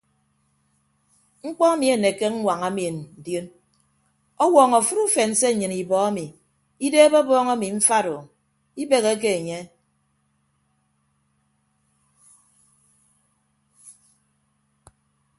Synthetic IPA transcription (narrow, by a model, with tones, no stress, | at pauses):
ŋ͡m̩˦k͡pɔ˦a˦mi˨e˨ne˨ke˦ŋ̩˦wʷa˨ŋa˦mi˨e˨n̩˨djo˦n | ɔ˦wɔː˨ŋɔ˨fu˦ɾu˦fe˨n̩˨se˦˨ɲɨ˨ni˨bɔ˨a˦mi˨ | i˦deː˦be˦bɔː˦ŋa˦mi˨ɱ̩˦fa˦ɾo˨ | i˦be˨ɣe˦k̬e˦e˨ɲe˦